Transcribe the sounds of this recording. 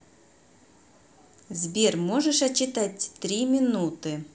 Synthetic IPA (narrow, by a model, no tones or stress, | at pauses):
zbʲermoʐɨʂɐt͡ɕːɪt̪atʲt̪ɾʲimʲɪnut̪ɨ